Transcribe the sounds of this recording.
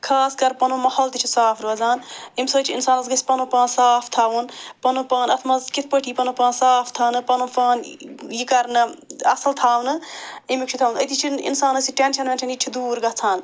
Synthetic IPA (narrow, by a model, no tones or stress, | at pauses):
kʰaːskɐɾpɐnoːmɐhoːlt̪it͡ʃʰisaːfʰɾuɐzaːnimsoːt͡ʃʰiinsaːnɐsɡɐsʲpɐnõːpaːnsaːfʰt̪ʰaːʋunpɐnoːpaːnɐt̪ʰmɐzkit̪ʰpəʈʰiːpɐnõːpaːnsaːft̪ʰaːnɨpɐnõːpaːnjikɐɾnɨɐsɐlt̪ʰaːʋnɨimikt͡ʃʰit̪ʰaːʋunɐt̪ʰit͡ʃʰinḭnsaːnɐsiʈenʃɐnʋẽːnt͡ʃʰiniʈʰid̪uːɾɡɐt͡sʰaːn